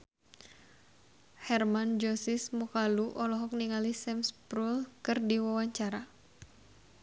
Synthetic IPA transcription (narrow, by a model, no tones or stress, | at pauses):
hɛrmand͡ʒɔsismukaluʔɔlɔɦɔk̚niŋalisɛmspɾulkɨrdiwawaɲt͡ʃaɾa